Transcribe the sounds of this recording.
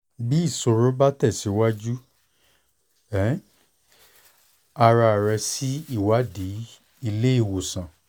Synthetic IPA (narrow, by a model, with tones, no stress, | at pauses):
bi˦i˦˨so˧ɾo˦ba˦tɛ˦˨si˨˦wa˦d͡ʒu˦ | ɛ˨˦ | a˧ɾa˧˨ɾɛ˧si˦i˦˨wa˨˦di˨˦ | i˧le˦i˦˨wo˨sã˨